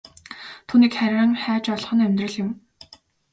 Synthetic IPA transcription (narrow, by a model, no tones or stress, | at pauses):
t̪ʰuːniːkχæɾʲăŋχæːt͡ɕɔɮ̆χɞ̆næmʲt̪rə̆ɮjɪ̆m